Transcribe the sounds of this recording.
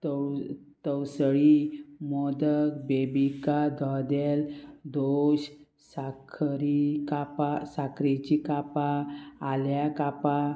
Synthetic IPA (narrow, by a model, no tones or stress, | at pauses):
t̪ | t̪əwsɭimɔd̪ək̚bebikad̪ʱɔd̪eld̪oɕ | sakʰɾikapasakʰɾit͡ɕikapaːljakapa